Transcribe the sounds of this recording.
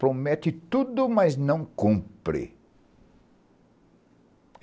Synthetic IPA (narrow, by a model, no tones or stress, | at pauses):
pɾomɛt̪ɪt̪ud̪ʊmɐznɐ̃w̃kũmpɾɪ̰